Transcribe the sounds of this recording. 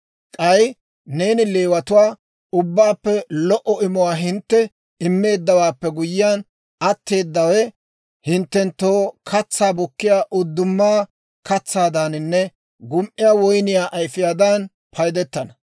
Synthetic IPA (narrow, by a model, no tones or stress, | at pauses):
kʼɐj | ne̞ːnɪle̞ːwɐt̪ʊwaː | ʊbːaːpːɛlɔʔɔɪmʊwaːɦɪnt̪ːɛ | ɪmːe̞ːd̪ːɐwaːpːɛɡʊjɪjaːn | ɐt̪ːe̞ːd̪ːɐwɛ | hɪnt̪ːɛnt̪ːoːkʰɐt͡sːaːbʊkːɪjaːʔʊd̪ːʊmːaː | kɐt͡sːaːd̪anɪnːɛ | ɡʊmʔɪjaːwɔjnɪjaːʔɐjfɪjaːd̪ɐn | pʰɐjd̪ɛt̪ːɐnɐ